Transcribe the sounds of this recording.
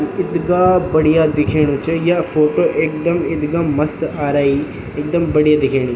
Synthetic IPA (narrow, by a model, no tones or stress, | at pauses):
nɪt̪ɡaːbɐɽijaːd̪ɪkʰeːɽ̃ũt͡ʃɐjafoːʈoːʔeːk̚d̪ɐmɪt̪ɡɐmːɐst̪aːɾaːi | eːk̚d̪ɐmbɐɽijad̪ɪkʰeːɽ̃u